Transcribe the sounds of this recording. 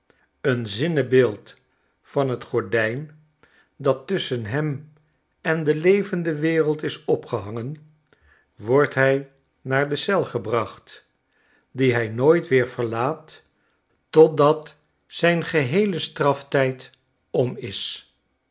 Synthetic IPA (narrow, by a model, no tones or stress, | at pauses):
ənzɪnəbɪːlˠt | fɑnɦətχɔɹdɛjn | dɑtːʏsənɦɛm | ɛndəlejvəndəʋɪːrəlˠtɪsɔpχəɦɑŋən | ʋɔɹtɦɛj | naːɹdəsɛlˠχəbrɑχt | diɦɛjnoːjtʋɪːɹv̥əɹlaːt | tɔt̚dɑt | sɛjnχəɦejləstrɑftɛjt | ɔmɪs